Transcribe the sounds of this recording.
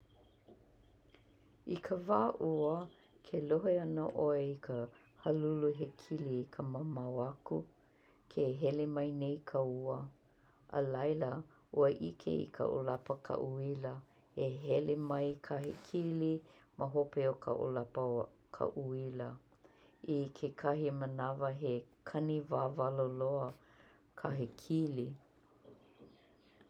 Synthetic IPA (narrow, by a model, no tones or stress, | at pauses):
ikʰəvaːʔuə | kʰeloɦeɐnəʔoeikʰə | hɐluluɦekʰilikʰəməmawɐku | kʰeɦɛlemɐjnejkʰəuə | ʔə̰lɐjlə | ʔuəʔikʰḛḭkʰə̰ʔo̰lapəkʰa̰ʔuilə | eɦɛlemɐjkʰahekʰiliməɦopeokʰa̰ʔo̰lapə | kʰa̰ʔuilə | ikʰekʰɐɦimənɐvəɦekʰɐnivaːvaloloə | kʰaɦekʰili